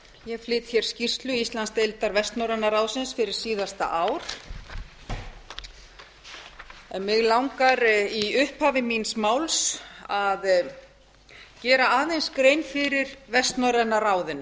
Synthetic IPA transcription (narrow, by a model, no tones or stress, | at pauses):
jɛɣflɪːt̪çjɛɾ̥scir̥st̪lʏist̪lanst̪ejlt̪aɾvɛst̪nɔwɾɛnːaraːwðsɪnsfɪɾɪɾ̥siːðast̪a̰ʔaːwɾ̥ | ɛmɪɣlawŋkaɾiʏhphaːvɪminsmaːwlsað | cɛːɾaaːðejnskɾejnfɪɾɪɾvɛst̪nɔɾɛnːaraːwðɪnːʏ